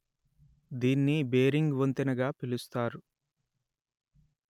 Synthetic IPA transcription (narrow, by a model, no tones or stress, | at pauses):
d̪iːnːibeːɾiŋɡʋont̪inɐɡaːpilust̪aːɾu